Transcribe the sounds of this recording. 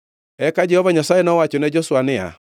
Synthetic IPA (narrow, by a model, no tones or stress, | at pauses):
ɛkad͡ʒɛhɔvaɲasaenɔwat͡ʃonɛd͡ʒɔswanɛa̰